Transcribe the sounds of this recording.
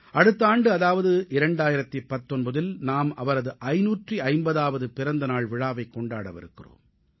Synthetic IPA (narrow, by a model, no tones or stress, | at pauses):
ɐɽɯt̪ːɐaːɳɖɯɐðaːʋɐðɯʔɪɾɐɳɖaːjɪɾɐt̪ːɪpːɐt̪ːɔnbɐðɪlnaːmɐ̰ʋɐɾɐðɯʔɐɪnuːʈriɐɪmbɐðaːʋɐðɯpɪɾɐnd̪ɐnaːɭʋɪɻaːʋɐɪkːɔɳɖaːɽɐ̰ʋɪ̰ɾɯkːɪro̰ːm